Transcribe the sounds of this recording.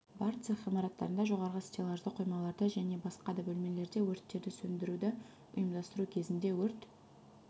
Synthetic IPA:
bɑɾt̪sɨʁijmɑɾɑt̪ːɑ̰ɾənd̪ɑʒo̞ʁɑɾʁəst̪ʲelˠɑʒd̪əqʰːojmɑlˠɑɾd̪əʒæne̞bɑsqɑd̪ɑbɵlme̞le̞ɾd̪e̞wɵɾt̪ːe̞ɾd̪ɪsɵnd̪ɪɾud̪ɪ | ʊ̰jəmd̪ɑst̪əɾukʲʰe̞zɪnd̪e̞wɵɾt̪

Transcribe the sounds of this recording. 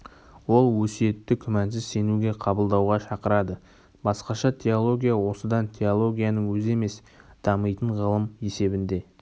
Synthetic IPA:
wo̞lˠwɵsije̞t̪ːɪkʲʰʏmænsɪzse̞nuɡʲe̞qʰɑbəlˠd̪ɑwʁɑʃɑqəɾɑd̪ə | bɑsqɑʃɑt̪ʲʰe̞olˠo̞ɡʲijawo̞səd̪ɑnt̪ʲʰe̞olˠo̞ɡʲijanəŋwɵze̞me̞s | d̪̥ɑməjt̪əɴʁəlˠəme̞se̞bɪnd̪e̞

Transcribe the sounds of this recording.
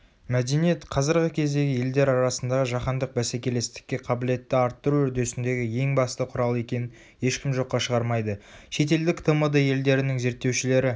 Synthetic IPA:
mæd̪e̞nije̞t̪qʰɑzɪɾʁəkʲʰe̞zd̪e̞ɡʲɪje̞ld̪e̞ɾɑɾɑsənd̪ɑʁəʒɑqɑnd̪əq̚bæsækʲe̞le̞st̪ɪ̥kʲːe̞qʰɑbɪle̞t̪ːɪɑɾt̪ːəɾuʏɾd̪e̞sɪnd̪e̞ɡʲɪje̞ŋbɑst̪əqʰʊɾɑlˠe̞kʲe̞nɪn | e̞ʃkʲɪmʒo̞qːɑʃəʁɑɾmɑjd̪əʃe̞t̪e̞ld̪ɪkt̪ʰəməd̪əje̞ld̪e̞ɾɪnɪŋze̞ɾt̪ːe̞wʃɪle̞ɾɪ

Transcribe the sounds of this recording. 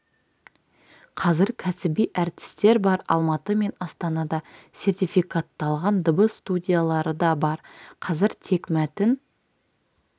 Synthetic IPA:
qʰɑzɪɾkʲʰæsɪbijʔæɾt̪ɪ̥st̪e̞ɾbɑɾɑ̰lˠmɑt̪əme̞nɑst̪ɑnɑd̪ɑse̞rt̪ijfijkat̪ːɑlˠʁɑnd̪əbəst̪ud̪ʲijalˠɑɾəd̪ɑbɑɾqʰɑzɪɾt̪ʰe̞kmæt̪ɪn

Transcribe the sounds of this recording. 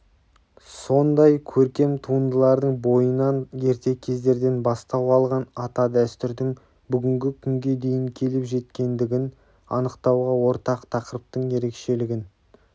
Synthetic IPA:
so̞nd̪ɑjkʲʰɵɾkʲe̞mt̪ʰuənd̪əlˠɑɾd̪əɴbo̞jənɑnje̞ɾt̪e̞kʲʰe̞zd̪e̞ɾd̪e̞nbɑst̪ɑwɑlˠʁɑnɑt̪ɑd̪æst̪ʏɾd̪ɪŋ | bʏɡʲɪŋɡʲɪkʲʰʏŋɡʲe̞d̪e̞jɪŋkʲʰe̞lɪpʒe̞t̪kʲe̞nd̪ɪɡʲɪn | ɑ̰nəqt̪ɑwʁɑwo̞ɾt̪ɑqt̪ʰɑqəɾəp̚t̪əɴje̞ɾe̞kʃe̞lɪɡʲɪn

